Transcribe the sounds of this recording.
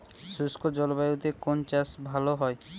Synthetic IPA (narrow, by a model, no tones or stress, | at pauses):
ʃuskod͡ʑɔlobajut̪ekont͡ɕasbʱaloɦɔe